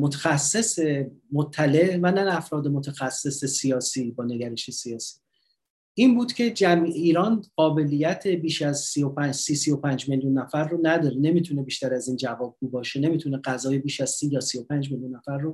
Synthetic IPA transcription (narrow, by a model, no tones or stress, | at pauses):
mot̪ʰexæsːe̞semot̪ʰːæle̞ʔvænææfɾɒːd̪e̞mo̞t̪ʰexæsːe̞se̞sijɒːsiːbɒːne̞ɡæɾeʃesijɒːsi̥ː | ʔinbuːd̪̥cʰe̞d͡ʒæmiiːɾɒːnɢɒːbe̞lijæt̪ʰe̞biːʃæzsijopʰæd͡ʒsiːsijo̞pʰænd͡ʒme̞ljunːæfæɾːonæd̪ɒːɾene̞miːt̪ʰune̞biːʃt̪æɾæziːnd͡ʒævɒːb̚ɡuːbɒːʃe̞ne̞miːt̪ʰune̞ɢæzɒːje̞biːʃæz̥siːjɒːsijo̞pʰæːnd͡ʒme̞ljunːæfæɾːo